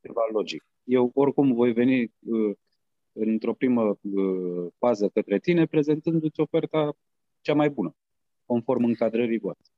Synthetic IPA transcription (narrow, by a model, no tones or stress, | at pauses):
t͡ʃevalo̞d͡ʒik̚ | je̞wo̞rkumvo̞jve̞niə | ɨnt̪ɾo̞pɾiməəfazəkət̪ɾe̞t̪ine̞pɾe̞ze̞nt̪ɨnd̪ut̪sʲo̞fe̞rt̪a | t͡ʃamajbunə | ko̞nfo̞rmɨŋkad̪ɾəɾivoast̪e